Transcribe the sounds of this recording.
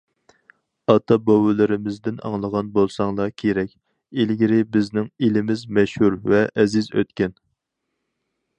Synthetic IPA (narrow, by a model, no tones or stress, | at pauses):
ɑt̪ʰɑbowɪlɪɾɪmɪzd̪ɪnɑ̰ŋlˠəʁɑnbolˠsɑŋlˠɑkʲʰeɾɛkʲ | elɡʲiɾɪbɪznɪŋelɪmɪzmɛʃhuɾvɛʔɛzɪzø̰t̪kʲɛn